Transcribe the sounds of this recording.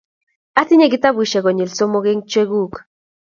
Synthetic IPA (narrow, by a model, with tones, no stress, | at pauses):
a˦θi˦ɲe˦ɡi˦t̪a˦bwi˨ʃe˨ɣo˨ɲi˨lso˦mo˦ɣe˦ŋt͡ʃwe˦ɡu˦˨k